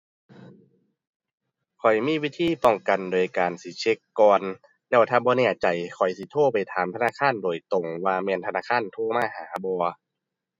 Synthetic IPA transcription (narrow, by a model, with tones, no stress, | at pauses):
kʰɔ˨˩jmiː˧˥˨wi˦˧˥t̪ʰiː˧˥˨pɔ˧˩ŋka˨˩ndoː˨jkaː˨˩nsi˨˦t͡ɕʰe˦˥kːɔː˧n | lɛː˧˥˩wt̪ʰaː˧˩bɔː˧˦nɛː˧˩˨t͡ɕa˨˩jkʰɔ˨˩jsi˧˦t̪ʰoː˧˥˩pa˨˩jt̪ʰaː˨˦mt̪ʰnaː˧˥˨kʰaː˧˥˨ndoː˨˩jt̪o˨˩ŋwaː˧mɛː˧nt̪ʰa˧naː˧˥˩kʰaː˧˥˨nt̪ʰoː˧˥˩maː˧˥˩haː˩˦bɔː˧